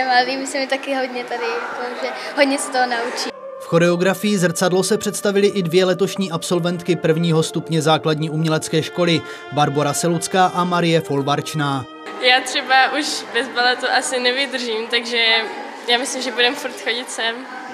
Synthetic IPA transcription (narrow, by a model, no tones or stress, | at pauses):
ɛmaɛviːmɪsɪmɪt̪akɪɦodɲɛt̪adɪakoʒɛɦodɲɛsɛ̥t̪oɦonaut͡ʃi | fxo̞ɾɛo̞ɡɾafɪjizr̩t͡sadlo̞sɛpr̝̥ɛt̪st̪avɪlɪʔɪdvjɛlɛt̪o̞ʃɲiːʔapso̞lvɛnt̪kɪpr̩vɲiːɦo̞st̪upɲɛzaːkladɲiːʔumɲɛlɛt͡skɛːʃko̞lɪ | baɾbo̞ɾasɛlut͡skaːʔamaɾɪjɛfo̞lvaɾt͡ʃnaː | jaːt̪r̥ɛbaʔuʃbɛzbalɛt̪uʔasɪnɛvɪd̪r̩ʒiːmt̪aɡʒɛ | jaːmɪslimʒɛbudɛmfuɾt̪xoɟɪt̪sɛm